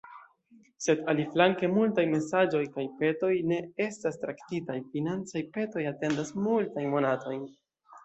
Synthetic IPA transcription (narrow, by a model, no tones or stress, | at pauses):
se̞daliflaŋke̞multajme̞sad͡ʒo̞jkajpe̞to̞jne̞e̞stastɾaktitajfinant͡sajpe̞to̞jate̞ndasmultajnmo̞natʰo̞jn